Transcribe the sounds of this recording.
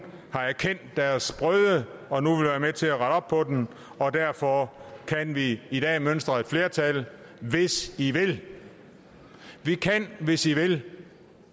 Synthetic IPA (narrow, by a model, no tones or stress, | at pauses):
hɑ̈æɐkʰen̰d̥ːæɐsb̥ʁœðˠəɒ̽nuʋe̝lʋæːɐmet͡sʰe̝æʁɑ̈ɾɒ̽b̥̚pʰɒ̽d̥en | ɒ̽dæɐ̰fɒ̽kʰænʋiid̥ɛ̰ːmønsd̥ʁɐe̝d̥fle̝ːɐt͡sʰælʋe̝siʋe̝l | ʋikʰænʋe̝siʋe̝l